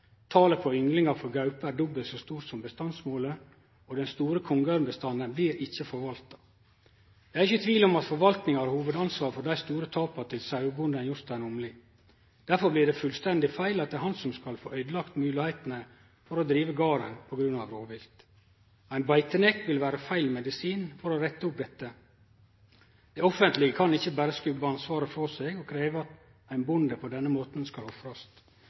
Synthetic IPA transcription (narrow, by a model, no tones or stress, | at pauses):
t̪ʰɑːləpʰɔʏŋlɪŋɑfɔɾɡɑʉpəæɾɖɔbəlsɔst̪uːɾsɔmbəst̪ɑnsmoːlə | ɔd̪ɛnst̪uːɾəkʰɔŋɡɑɾmbəst̪ɑnːənblɪɾʔɪçːəfɔɾʋɑlt̪ɑ̥ | d̪ɛæɾɪçət̪ʰʋiːlɔmɑt̪fɔɾʋɑlt̪nɪŋɑɾhuːʋəd̪ɑnsʋɑːɾfɔɖæɪst̪uːɾət̪ʰɑːpɑt̪ʰɪlsɑʉbʊnd̪ɛnjʊɾt̪æɪnɔmlɪ | d̪̥æɾfɔɾblɪɖɛfʉlst̪ɛnd̪ɪfæɪlɑt̪̚d̪ɛɾhɑnsɔmskɑlfo̰ːœʏd̪əlɑkt̪mʉːlɪhæɪt̪n̩ə | fɔɾɔd̪ɾiːʋəɡɑːɾə̰npʰɔɡɾʉnɑ̰ʋɾoːʋɪlt̪ | æɪnbæɪt̪ənɛkt̪ʋɪlʋæːɾəfæɪlmɛd̪ɪsiːnfɔɾɔɾɛt̪ːəʊp̚d̪ɛt̪ːə | d̪̥ɛɔfənt̪lɪɡəkʰɑnɪçːəbæːɾəskʉbəɑnsʋɑːɾəfɔɾseːɡɔkʰɾeːʋəɑt̪ | æɪnbʊnd̪əpʰɔd̪ɛnːəmoːt̪n̩skɑlɔfɾɑst̪